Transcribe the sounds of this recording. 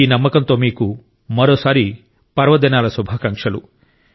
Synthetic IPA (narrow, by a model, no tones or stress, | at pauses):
iːnɐmːɐkɐnt̪o̞ːmiːku | mɐɾo̞ːsaːɾi | pɐɾʋɐd̪inaːlɐsubʱaːkɐŋkʂɐlu